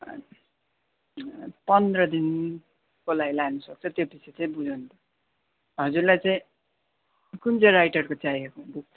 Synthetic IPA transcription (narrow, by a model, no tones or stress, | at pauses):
pʌnd̪rʌd̪in | kolaɡlaɡnʌsʌk̚t͡sʰʌt̪jopisʰet͡saĩbud͡zant̪ʰʌ | ɦʌd͡zurlajt͡saĩ | kunt͡sʌɾajʈʌrkot͡sajekõbuk̚t̪ʰ